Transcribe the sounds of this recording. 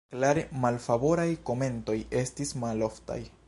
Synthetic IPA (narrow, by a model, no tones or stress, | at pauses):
klaɾemalfabo̞ɾajko̞me̞nto̞je̞stismalo̞fta̰j